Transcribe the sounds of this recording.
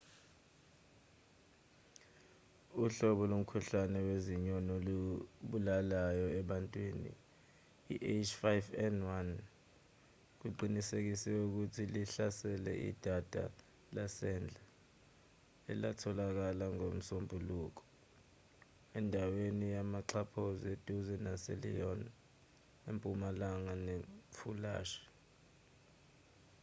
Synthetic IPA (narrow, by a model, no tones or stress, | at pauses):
uɬɔɓɔlom̩kʰuɬanɛweziɲɔnɔluɓulalajɔɛɓantʼwiːnḭː | ʔet͡ʃfajvɛnwan | k̬uǃinisek̬isɛuk̬utʰiliɬasɛlɛ̰ʔḭd̥ʱad̥ʱa̰ | lasɛnd͡ɮʱa | ɛ̰latʰɔlak̬alaŋom̩sombʱuluːk̬ɔ̥ | ɛndʱawenijamaǀʰapʰɔzed̥ʱuzɛnaselḭɔn | empʼumalaŋanefula̰ːʃi̥